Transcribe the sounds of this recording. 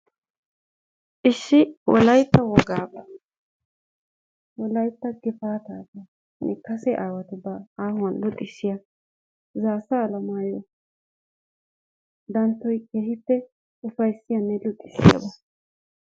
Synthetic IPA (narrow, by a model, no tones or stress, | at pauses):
ʔɪʃːɪwɔ̰lɐjt̪ːɐwɔɡaːbɐ | wɔlɐjt̪ːɐɡɪfaːt̪aːt̪ɐ | nʔɛkɐsɛʔaːwɐt̪ʊbaaːhʊɐnlʊt̪ʼːɪsːɪjɐ | zaːsɐːlɐmaːjɔ | d̪ɐnt̪ːɔjkeːhɪpːɛ | ʊfɐjsɪjɐnːɛlʊt̪ʼːɪsːɪ̰jɐ̰bɐ